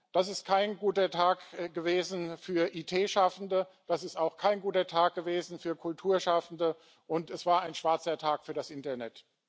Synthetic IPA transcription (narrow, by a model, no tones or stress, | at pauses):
d̥asɪst̚kʰaɪnɡuːtɐtʰaːkɡ̥əveːzn̩fyːɐʔiːtʰeːʃafn̩dəd̥asɪstaʊxkʰaɪnɡuːtɐtʰaːk̚ɡ̥əveːzn̩fyːɐkʰʊltʰuːɐʃafn̩də | ʔʊntɛsv̥aːɐaɪnʃv̥aɐt͡sɐtʰaːkfyːɐɾasʔɪntɐnɛt